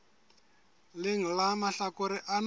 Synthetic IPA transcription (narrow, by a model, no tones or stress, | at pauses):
lɪŋ̩lamaɬakʊɾɪʔan